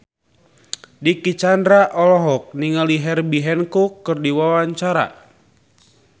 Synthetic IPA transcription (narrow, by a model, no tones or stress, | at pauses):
dikit͡ʃandɾaʔɔlɔɦɔk̚niŋaliɦɛrbiɦɛnkukːɨrdiwawaɲt͡ʃaɾa̰